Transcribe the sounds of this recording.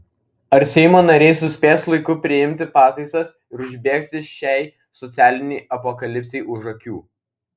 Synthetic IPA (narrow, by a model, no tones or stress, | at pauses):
ɐɾsʲɛɪmoːnɐɾʲɛɪsʊsʲpʲeːslˠɐɪkʊpʲɾʲɪɪmʲt̪ʲɪpɑːt̪ɐɪsɐs | ɪɾʊʒʲbʲeːkʲt̪ʲɪʃʲæɪ | sɔt̪sʲæːlʲɪnʲɛɪɐpɔkɐlʲɪpʲsʲɛɪʔʊʒɐkʲṵː